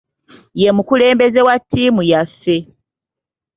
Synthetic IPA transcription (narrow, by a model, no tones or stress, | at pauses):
je̞mukule̞ːmbeze̞watːiːmujafːe̞